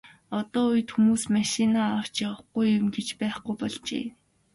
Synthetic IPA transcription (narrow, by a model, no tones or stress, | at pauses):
ɔt̪ɔːuj̆t̪xumuːsmaʃinaaw̥t͡ɕjaə̆χɡujʊmɡet͡ɕpæːχɡujpɔɮt͡ɕḛː